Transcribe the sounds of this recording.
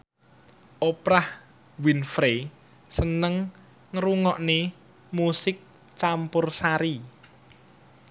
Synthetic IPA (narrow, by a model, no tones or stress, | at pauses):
ʔopɾah | winfɾe | sənəŋ | ŋɾuŋɔʔne | musɪk̚ | t͡ʃampʊrsaɾi